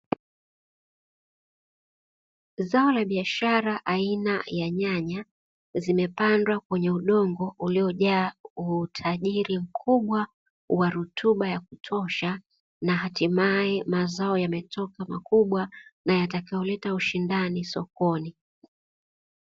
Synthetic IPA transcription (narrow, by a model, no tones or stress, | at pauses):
zaɔlaɓiaʃaɾaʔainajaɲaɲa | zimɛpandwakwɛɲɛuɗɔŋɡɔʔuliɔʄaːutʰaʄiɾim̩kʰuɓwa | waɾutʰuɓajakutʰɔʃa | naɦatimaɛmazaɔjamɛtʰɔkamakuɓwanajatakajɔlɛtauʃindanisɔkɔni